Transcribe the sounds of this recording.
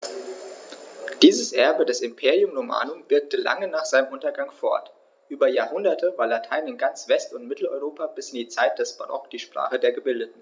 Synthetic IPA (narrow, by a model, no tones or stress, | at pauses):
d̥iːzəsʔɛɐbədɛsɪmpʰeːʁiʊmʁoma̰ːnʊmb̥ɪɐk̚təla̰ŋənaːχz̥aɪnəmʔʊntɐɡaŋfɔ̰ɐt | ʔyːbɐjaːɐhʊndɐtʰəvaːɐlatʰaɪnɪnɡant͡sv̥ɛstʊntmɪtl̩ɔ̰ʏʁoːpabɪsɪndiːt͡saɪt̚d̥ɛsb̥anɔ̰kd̥iːʃpʁ̥a̰ːχədeːɐɡəbɪldətn̩